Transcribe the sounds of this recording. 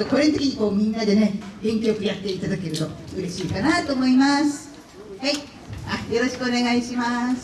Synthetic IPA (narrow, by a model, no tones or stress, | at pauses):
koɾent̪e̞kʲiɲ̟iko̞ːmʲĩnːad̪e̞ne̞ɡ̥ẽ̞ŋkʲeokɯ̟jat̪ːe̞it̪ad̪ake̞ɾɯ̟t̪o̞ɯɾe̞ɕiːkanat̪oːmo̞imasɨ̥ | hai | ajo̞ɾo̞ɕi̥kɯone̞ɡaiɕimasɨ̥